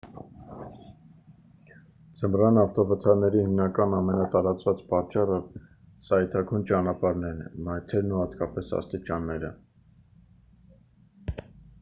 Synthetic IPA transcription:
d͡zəmrɑnɑft̪ɔvət̪ʰɑɾnɛɾihimnɑkɑnɑmɛnɑt̪ɑɾɑt͡svɑt͡spɑt͡ʃɑrə | sɑɛt̪ʰɑkʰujnt͡ʃɑnɑpɑɾnɛnmɑjt̪ʰɛɾnuhɑt̪kɑpɛsɑ̰st̪it͡ʃɑnːɛɾə

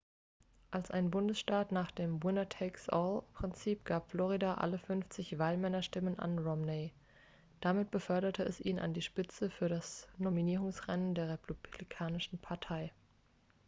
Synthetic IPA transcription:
ʔalsa̰ɪnbʊndəsʃtaːtnaːχd̥eːmwɪnɐtʰɛɪksʔɔlpʁ̥ɪnt͡siːpɡ̥aːpflɔʁ̞idaʔa̰ləfʏnft͡sɪçv̥aːlmɛnɐʃtɪməna̰nʁɔmneː | d̥amɪt̚b̥əfœɐɾɐtʰəɛ̰sʔḭːnʔa̰ndiːʃpɪt͡səfyːɐɾasnominiːʁ̞ʊŋsʁɛnəndeːɐʁɛpʰublikʰaːnɪʃn̩pʰaɐtʰaɪ

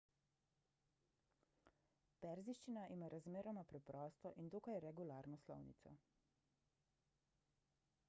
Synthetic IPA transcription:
pɛɾziʃt͡ʃinaʔimaːɾazmeːɾɔmapɾɛpɾɔːst̪ɔʔind̪oːkajɛɾɛɡulaːɾnɔslɔ̰wnḭt̪sɔ̰

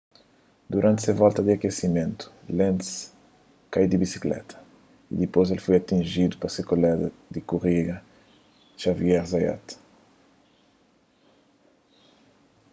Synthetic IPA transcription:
d̪uɾʔãnt̪sevɔlt̪ɐd̪iakesimẽnt̪u̥lẽnt̪s | kaid̪ibisi̥klɛ̰t̪ʰɐ̥ | ḭd̪ipojz̬elfojat̪ĩnʒid̪upɐsekolɛd̪ɐd̪ɪkuʁiɡɐ | ʃaviɛɾzaja̰t̪

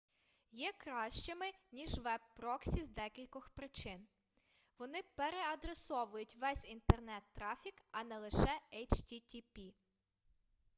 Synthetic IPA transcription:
jɛkɾɑʃt͡ʃɪmɪnʲiʒʋɛb̚ːɾɔksʲizd̪ɛkʲilʲkɔxpɾɪt͡ʃɪn | ʋɔnɪpeɾeɐd̪ɾesɔʋʊjʊtʲʋɛsʲint̪ernɛt̪ːɾɑfʲikɐnɛlˠɪʃɛɛjt͡ʃt̪ʲit̪ʲipʲi

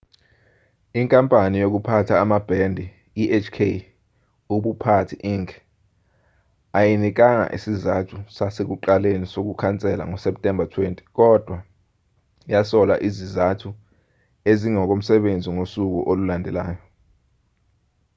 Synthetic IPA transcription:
iŋkʼampʼanijok̬upʰatʰaːmab̥ʱɛndʱi | iʔet͡ʃʰkʰe | uɓupʰatʰiʔiŋkʰ | ajinik̬aŋa̰ʔesizatʰusasek̬uǃalenisok̬ukʰant͡sʼɛla̰ŋɔsɛp̚tʼɛmbʱatʰwentʼi̥k̬ʼɔd̥ʱwa | jasɔla̰ʔizizatʰu | eziŋɔk̬om̩sɛɓend͡zʱiŋosuk̬ṵʔolulandʱɛlaːjɔ

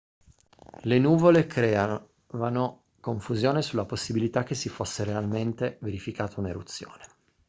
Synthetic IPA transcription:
lenuːvolekʰɾɛːa | vano | koɱfuzjoːnesulːaposːibilit̪ak̟ːesːifosːeɾealment̪eveɾifikaːt̪aunḛɾṵt̪sːjo̰ːne

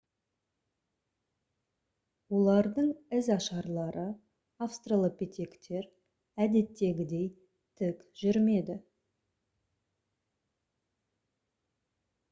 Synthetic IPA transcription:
wo̞lˠɑɾd̪əɴɪzɑʃɑɾlˠɑɾʔə | afst̪ralˠəpet̪ʰʲe̞kt̪ʰe̞ɾ | æd̪e̞t̪ːe̞ɡʲɪd̪e̞j | t̪ʰɪkʒ̥ʏɾme̞d̪ɪ

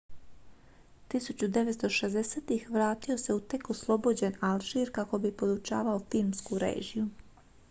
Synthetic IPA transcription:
t̪isut͡ɕud̪e̞ʋet̪st̪oʃezd̪eseːt̪ixʋɾaːt̪io̞se̞ut̪e̞koslˠo̞bo̞d͡ʑenalʒiɾkako̞bipo̞d̪ut͡ʃa̰ːʋaofilmskuɾḛːʒiju

